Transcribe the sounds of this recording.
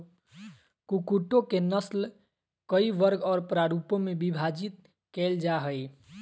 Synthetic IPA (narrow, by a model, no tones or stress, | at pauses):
kukuʈõkenəsl | kəiʋəɾɡɔːɾpɾaɾupõmebibʱad͡ʒit̪ | kɛld͡ʒaɦəj